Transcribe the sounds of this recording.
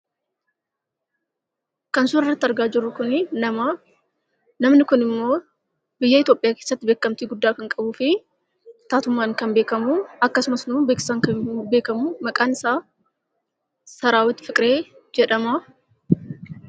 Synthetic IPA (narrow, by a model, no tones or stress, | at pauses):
kɐnsʊnɪrːɐt̪ːɪɐɾɡaːd͡ʒɪɾːʊkʊnɪnɐma | nɐmnɪkʊnɪmːo̞ː | bɪjːɐɪt̪jo̞ːpʼɪjaːkeːsːɐt̪ːɪbe̞ːkːɐmt̪iːɡʊd̪ːaːkɐŋkʼɐbuːfɪ | t̪aːt̪ʊmːaːŋkɐnbeːkɐmuːɐkːɐsʊmɐsnubeːksaŋkɐbe̞ːkɐmuːmɐkʼaːnɪsaː | sɐɾaːwɐt̪ːɪ̥fɪkʼɾeːd͡ʒɛᶑɐma